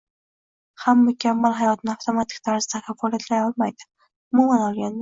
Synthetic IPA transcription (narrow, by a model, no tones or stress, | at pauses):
hamːakʲʰamːalˠɦajɒt̪ʰɪnɪaft̪ʰomat̪ʰɪ̥kʲt̪ʰaɾz̥t̪ʰakʲʰafɒlˠiat̪ʰlajɒlˠmajd̪ɪ̥ | ʊmumanɒlˠɡʲan